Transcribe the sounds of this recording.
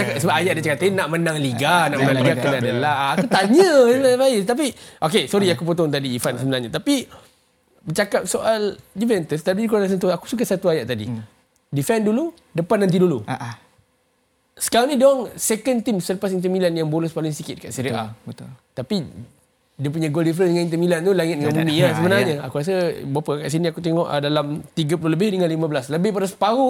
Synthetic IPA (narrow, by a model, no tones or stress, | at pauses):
t͡ʃakap̚səbaʔajaʔdat͡ʃəkat̪ainaʔmənãŋliɡanaʔmənaŋliɡakənadəlahakut̪aɲə̃lafaist̪ap̬iʔokesɔɾiakup̬ot̪ɔŋt̪̬adiːfansəbənarɲat̪api | bət͡ʃakap̚soʔaldivɛnt̪əst̪adidik̬uanas̬ənt̪uaku̥suk̬aʔsat̪uajaʔt̪adḭ | difɛndulu | dəpanːãnt̪̬idulu | sə̥kaɾanĩdoaŋsekənt̪imsələpasint̪əmilanjaŋbolɛspalɪŋsikɪt̪̚kaʔsiɾiʔat̪t̪api | diəp̬uɲaɡoldifɾəndəŋãnint̪əmilant̪ulaŋɪt̪̚dəŋãnbumĩasəbənarɲəakuɾas̬əbapaka̰ʔs̬iniakut̪eŋɔ̰ʔdalamt̪iɡəpululəbɪhdəŋãnlimabəlasləbɪhpadasə̥paɣu